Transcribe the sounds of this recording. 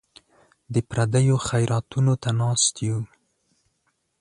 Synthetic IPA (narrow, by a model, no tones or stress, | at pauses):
d̪əpɾad̪əjoxajɾɑt̪unot̪anɑst̪ju